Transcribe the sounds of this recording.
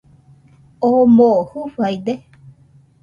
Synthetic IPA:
omohufajd̪e

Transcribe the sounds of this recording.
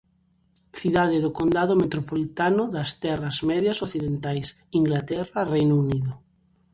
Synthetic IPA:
θiðaðeðʊkond̪aðʊmet̪ɾopolit̪anʊðɐst̪ɛrɐzmɛðjasoθiðent̪ajs | iŋɡlat̪ɛrɐrejnuniðʊ

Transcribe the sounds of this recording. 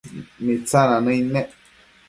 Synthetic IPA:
mĩt͡sãnãnə̃inɛ̃ʔ

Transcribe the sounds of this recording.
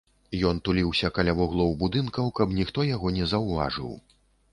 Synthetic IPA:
jɔnt̪ulʲiwsʲɐkalʲavɔɣlˠɔwbud̪ɨnkɐwkɐbnʲixt̪ɔjaɣɔnʲɛzɐwva̰ʐɨ̰w

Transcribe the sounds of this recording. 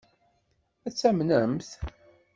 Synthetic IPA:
æt͡sːæmnəmθ

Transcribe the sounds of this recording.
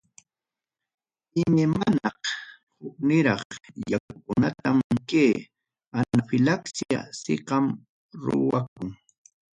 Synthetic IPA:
ɪmemanɑχ | hʊk̚nɪɾɑχjakakʊnat̪amkeː | anafɪlaksija̰sɪ̰qɑm | ɾʊ̰wak̚ʊŋ

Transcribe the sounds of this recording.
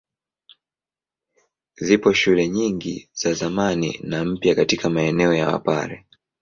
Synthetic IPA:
zipɔʃulɛɲiŋɡḭz̥azamanḭnam̩pjakatikʰamaɛnɛɔjawa̰pa̰ɾɛ

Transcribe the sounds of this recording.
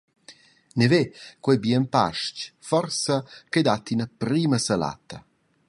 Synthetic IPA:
nevekwɛjbjɛmpa̰ʃcfɔrsɐked̪at̪inapɾiːməsala̰t̪ɐ

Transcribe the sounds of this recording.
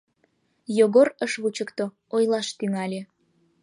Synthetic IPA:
joɣorəʃβut͡ɕəkt̪o | ojlɑʃt̪yŋɑlʲe

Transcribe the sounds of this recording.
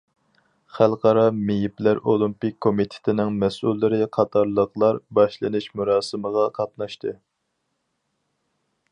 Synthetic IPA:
χælˠqʰɑɾɑmejiplæɾolˠimpikʲʰːomit̪ʰɪ̥t̪ʰɪnɪŋmɛsʔulˠːɨɾɨqʰɑt̪ʰɑɾlˠəqlˠɑɾbɑʃlˠɨnɨʃmuɾɑːsɨməʁɑqʰɑt̪nɑʃt̪ʰɨ

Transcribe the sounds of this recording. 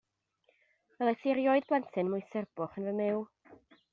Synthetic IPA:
vɛlˠaθiɾjɔɨðblˠɛntʰɨnmʊɨsɛrb̥ʊχənvəmɪw

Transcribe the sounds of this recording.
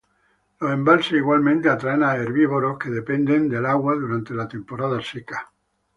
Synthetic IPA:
loẽmbalseiɣwalmẽnt̪eat̪ɾaenaeɾβiβoɾohkeðe̞pend̪end̪e̞laɣwaðuɾant̪e̞lat̪e̞mpoɾaðaseka

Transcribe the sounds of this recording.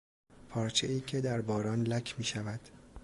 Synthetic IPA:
pʰɒːɾt͡ʃʰeiːcʰe̞d̪æɾbɒːɾɒːnlæcʰmiːʃævæd̪̥

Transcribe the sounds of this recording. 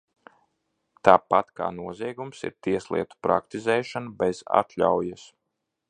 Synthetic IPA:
t̪aːpat̪ka̰ːnuɔzʲiɛɡumsḭɾt̪iɛslˠḭɛt̪u̥pɾa̰kt̪izɛːʃanubɛza̰t̪lʲa̰wjas

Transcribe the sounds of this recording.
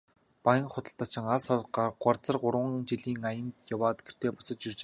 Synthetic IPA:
pajə̆ŋχʊt̪ə̆ɬt̪at͡ɕɪ̆ŋaɮsɔɮɢaɢɔrt͡sə̆rɢʊrwə̆ŋt͡ɕiɮiːŋajə̆nt̪jawaːt̪ɡ̥er̥t̪eːpʊ̥sə̆t͡ɕirt͡ɕː

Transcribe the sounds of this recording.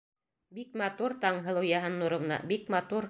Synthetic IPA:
bikmɑt̪uɾt̪ɑɴɦɤ̆lˠujɑɦɤnːuɾŏvnɑ̰bikmɑt̪uɾ

